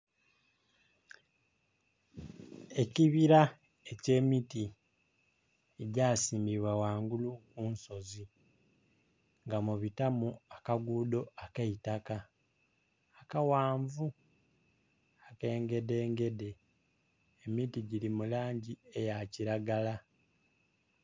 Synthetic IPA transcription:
e̞ciβiɾa | ece̞ːmiti | eɟaːsiːmbiβwawaːŋɡulukuːnso̞zi | ŋɡamuβitamuakaɡuːdo̞akeitaka | kawaːɱvu | ake̞ːŋɡe̞de̞ːŋɡe̞de̞ː | mitiɟilimulaːɲɟie̞jaciɾaɡala

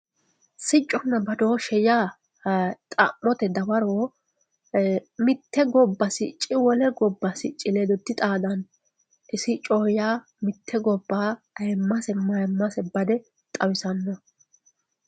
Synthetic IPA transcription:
sɪt͡ʃʼːɔnːɐbɐd̪oːʃɛjaː | t̪ʼa̰mːɔt̪ɛd̪ɐwɐɾoː | mɪt̪ːɛɡɔbːɐsɪt͡ʃʼːɪwɔlɛɡɔbːɐsɪt͡ʃʼːɪleːd̪ɔt̪ːɪt̪ʼaːd̪ɐn | ʔɪsɪt͡ʃʼoːjaː | mɪt̪ʰːɛɡɔbːaː | ɐjɛmːɐsɛmɐjmːɐsɛbɐd̪ɛ | t̪ʼɐwɪsɐnːɔ

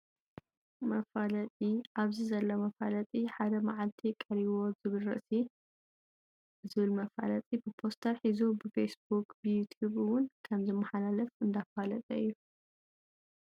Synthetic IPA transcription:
mɐfalɐt̪ʼiʔaβzizɐlːomɐfalɐt̪ʼiħad̪ɐmaʕalt̪ʰikʼɐɾiβo̞zɨβɨlɾɨ̰ʔsi | zɨβɨlmɐfa̰lɐt͡s̪ʼibɨpʰo̞st̪ʰɐɾħizubɨfesbukbɨjut̪ʰjuβɨwʊnkʰɐmzɨmːaħalalɐfɨnd̪afalɐt̪ʼɐɨjːu

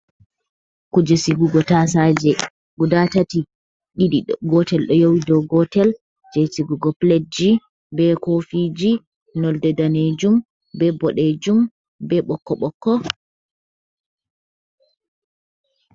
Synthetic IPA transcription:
kud͡ʒɛsiɡuɡɔtasad͡ʒɛ | ɡudatati | ɗiɗiɡɔtɛlɗɔjowidɔɡɔtɛl | d͡ʒɛsiɡuɡɔpled͡ʒi | bɛkofid͡ʒi | nɔldɛdaned͡ʒum | bɛbɔɗed͡ʒum | bɛɓɔkːɔɓɔkːɔ

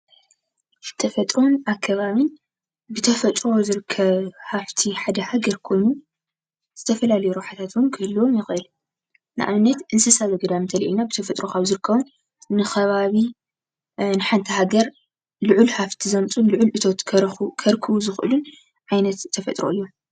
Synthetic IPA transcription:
t̪ʰɐfɐt̪ʼɾo̞nakʰːɐβaβin | bɨt̪ʰɐfɐt̪ʼɾozɨɾɨkʰːɐβhaft̪ʰiħad̪ɐhaɡɐɾkʰo̞jnu | z̥ɨt̪ʰɐfɐlalɐjuɾoħat̪ʰat̪wunkʰɨhɨlːwomjɪxʔɨl | nɨ̰ʔa̰βɨnːɐt̪ʔɨnsɐsaβɐɡɐd̪amɨnt̪ʰɐlʔḭlnabɨt̪ʰɐfɐt̪ʼɾo̞kʰaβzɨɾɨkʰːɐβu | nɨxɐβaβi | nɨħant̪ʰɐhaɡɐɾ | luʕulhaft̪ʰizɐmt͡sʼunlʊʕʊlʔɨt̪ʰo̞t̪kʰkʰɐɾkʰɨβuzɨxʔɨlun | ʕajnɐt̪t̪ʰːɐfɐt̪ʼɾo̞̰ɨjːo

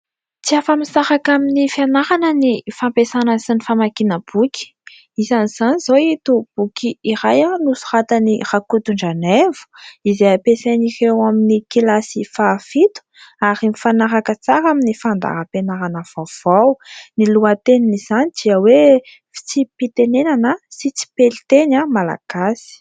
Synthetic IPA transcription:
t͡siafamisaɾakaminifianaɾanənifampesanəsinifamakinəb̥ukʲi̥ | izaniz̥anizoit̪ub̥ukʰiiɾajanusu̥rat̪anirakut̪uɳɖ͡ʐanevu̥izeapesenirewaminikilasifafit̪u̥aɾimifanaɾakət͡saɾaminifand̪a̰ɾəpenaɾanəv̥av̥awniluat̪eniniz̥anid̪̥iəwe | fi̥t͡sipit̪enenanəsit͡si̥pelit̪enamala̰ɡ̥asi̥

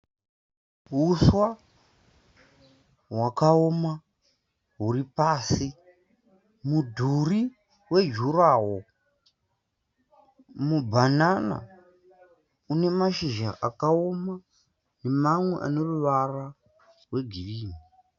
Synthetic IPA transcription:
ɦuswa | wakaoma | ɦuripaːsi | mudʱuri | we̞d͡ʒuraːwo | mubʱanana̰ | une̞maʃiʒa̰ʔakaoma | nemamwe̞̰ʔa̰noruʋara | we̞ɡʱiriːmi

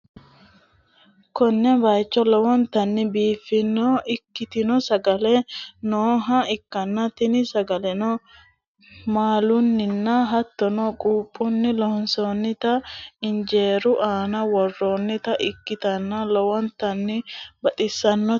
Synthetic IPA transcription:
kɔnːɛbɐjt͡ʃːɔlɔwɔnt̪ɐnːɪbiːfːɪnːoːʔɪkːɪt̪ɪnɔsɐɡɐleːnoːɦɐɪkːɐnːɐt̪ɪnɪsɐɡɐlɛnɔ | maːlʊnːɪnːaɦɐt̪ːɔnɔkʼuːpʼːʊnːɪlɔhɔnsoːnːɪt̪ɐɪnd͡ʒe̞ːɾʊʔaːnɐwɔrːoːnːɪt̪ɐʔɪkːɪt̪ɐnːɐlɔwɔnt̪ɐnːɪbɐt̪ʼɪsːɐnːɔ

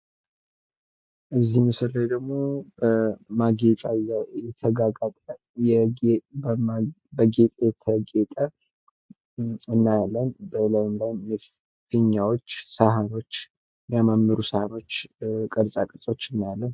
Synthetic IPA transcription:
ʔɨzːihmɨsəlajd̪əɡmo̞bəmaɡet͡ʃʼajjɛt̪ʰəɡaɡat̪ʼə | jɛbə | bəɡet̪ʼəjɛt̪ʰəɡet̪ʼə | ɨnːajalːənbələmbanmi | fɨɲːawot͡ʃːsaɦano̞t͡ʃː | mjamamːɨɾusahano̞t͡ʃːkʼəɾsʼakʼəɾsʼo̞t͡ʃːɨnːajalːən

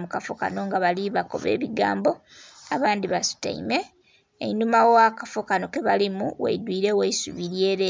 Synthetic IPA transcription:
mukafoka̰no̞ŋɡaβaliβako̞̰βḛːβiɡa̰ːmbo̞ | aβaːnd̪iβasu̥ta̰ḭme̞ː | numawowakafokano̞keβalimuwḛidwiːɾe̞weisuβiɾjeːɾe

